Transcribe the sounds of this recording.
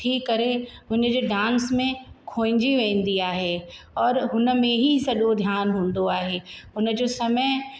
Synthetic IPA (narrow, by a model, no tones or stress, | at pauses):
ʈʰiːkːɐɾeɦʊnd͡ʑoːɖãːnsmẽkʰoːɪ̃ɲd͡ʑiʋɛ̃ːnd̪iaːɦeɔːɾɦʊnə̆mẽɦisɐɗod̪ʱjaːnɦũːnd̪oaːɦeɦʊnə̆d͡ʑoːsɐməj